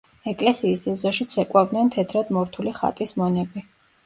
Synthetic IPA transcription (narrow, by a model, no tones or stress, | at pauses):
ɛkʼlɛsiːsɛzɔʃit̪sʰɛkʼwavd̪nɛnt̪ʰɛt̪ʰɾad̪mɔɾt̪ʰuliχa̰t̪ʼismɔnɛbi